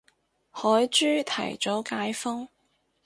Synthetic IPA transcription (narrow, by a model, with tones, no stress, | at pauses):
hɔː˨˥jt͡ʃyː˥t̪ʰɐ̰˨˩jt͡sɔ˨˥wkaː˨˧˥jfʊ˥ŋ